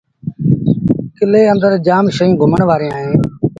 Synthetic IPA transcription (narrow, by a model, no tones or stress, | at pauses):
kɪleːə̃nd̪əɾd͡ʒaːmʃəũːɡʱʊməɳʋaːɾẽːãːɦẽː